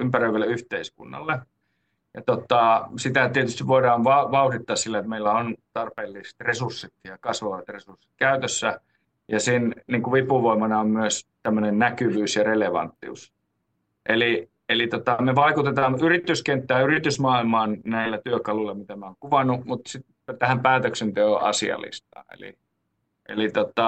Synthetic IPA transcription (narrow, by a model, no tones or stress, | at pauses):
ympærøiʋæleyht̪eiskṵnːɑ̰lːe | jɑt̪ot̪ɑˑsit̪æt̪iet̪yst̪iʋʋoidɑːnʋɑʋɑurit̪ːɑːssilːæet̪meilːæont̪ɑrpeːlːist̪resursːit̪jɑkɑsʋɑʋɑt̪resursi̥t̪̚kæyt̪øsːæ | jɑsinniːŋkuʋipːuʋoˑimɑnɑommyøst̪æmːønennækyʋyːsjɑreleʋɑ̰nt̪ːḭṵs | ʔeli | elit̪ot̪ɑmeʋɑikut̪et̪ɑːnyrit̪ːyskent̪ːæːyrit̪ysmɑːilmɑːnnæilːæt̪yøkɑluilːɑmit̪æmæoŋkuʋɑnːˑumut̪sit̪ | t̪æhæmpæːt̪øksent̪eøʔɑ̰sḭɑ̰lḭst̪ɑ̰ːḛlḭ | ʔḛlit̪ot̪ɑ